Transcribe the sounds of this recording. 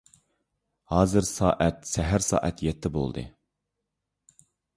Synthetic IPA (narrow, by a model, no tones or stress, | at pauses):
hɑːzɨɾsɑːʔɛt̪sɛɦæɾsɑ̰ːʔɛt̪jɛt̪ʰːɛbo̰lˠd̪ɨ̰